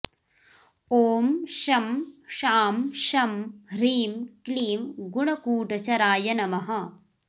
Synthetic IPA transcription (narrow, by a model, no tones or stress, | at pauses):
oːmʃɐmʃaːmʃɐmɾiːmkliːmɡuɳɐkuːʈɐt͡ʃɐɾaːjɐnɐmɐɦɐ̆